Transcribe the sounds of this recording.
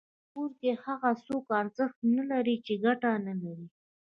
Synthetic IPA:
puɾkehaɣasokɑnzəxt̪̚nalaɾit͡ʃeɡaʈanalaɾi

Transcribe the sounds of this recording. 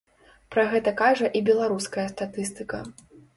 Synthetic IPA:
pɾɐɣɛt̪ɐkaʐɐʔibʲɛlˠaɾuskɐjɐst̪at̪ɨst̪ɨkɐ̰

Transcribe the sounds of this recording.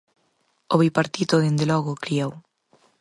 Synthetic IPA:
oβipaɾt̪it̪oðend̪elɔɣokɾiaw

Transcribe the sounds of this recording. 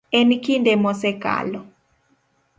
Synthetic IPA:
ɛnkindemɔsɛka̰lɔ

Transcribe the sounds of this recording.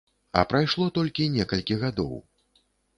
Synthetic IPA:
ɐ̰pɾajʂlˠɔt̪ɔlʲkʲinʲɛkɐlʲkʲiɣad̪ɔ̰w

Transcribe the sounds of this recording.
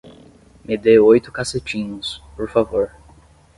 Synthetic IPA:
mɪd̪eojt̪ʊ̥kaset͡ʃĩɲʊspoɾfavoɾ

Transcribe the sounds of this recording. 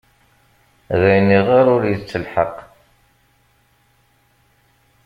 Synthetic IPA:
ðæjniʁaɾʊɾjət͡sːəlħəq

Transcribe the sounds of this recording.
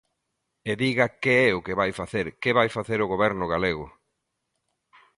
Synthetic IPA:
eðiɣakeɛʊkeβajfaθeɾkeβajfaθeɾʊɣoβɛɾnʊɣaleɣʊ

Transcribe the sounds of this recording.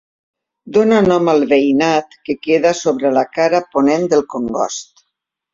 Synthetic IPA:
d̪onanɔmalˠβejnat̪kekeðasoβɾəlakaɾaponend̪əlˠkoŋɡɔ̰st̪

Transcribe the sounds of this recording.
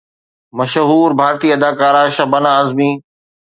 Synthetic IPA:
mɐʃɦuːɾbʱaːɾt̪iːɐd̪aːkaːɾaːʃɐbənãːəzmĩː

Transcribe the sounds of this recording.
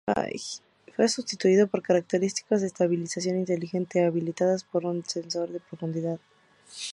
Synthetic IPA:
a̰ | fwesust̪it̪uiðo̞po̞ɾkaɾak̚t̪e̞ɾist̪i̥kazðeːst̪aβilisasjo̞nint̪e̞lixe̞nt̪e̞aβilit̪aðaspo̞ɾunse̞nso̞ɾðe̞pɾo̞fund̪iðað

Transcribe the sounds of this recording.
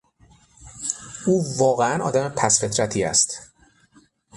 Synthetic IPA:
uːvɒːɣeænɒ̰ːd̪æmepʰæsfe̞t̪ʰɾæt̪ʰiːæ̰st̪

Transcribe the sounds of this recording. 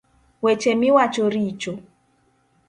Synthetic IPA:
wet͡ʃemiwat͡ʃoɾit͡ʃo

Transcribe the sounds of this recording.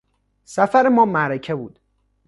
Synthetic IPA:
sæfæɾemɒːmæɾecʰebuːd̪̥

